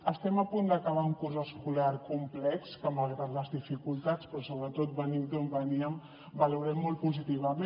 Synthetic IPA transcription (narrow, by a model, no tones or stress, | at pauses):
əst̪ɛməpund̪əkəβauŋkurzəskulaɾkumplɛkskəməlɣɾat̪ləzðifikulˠt̪at͡spɾɔsoβɾət̪ot̪̚bənimk̪ombəniəm | bəluɾɛmːolˠt̪̚puzit̪iβ̞əme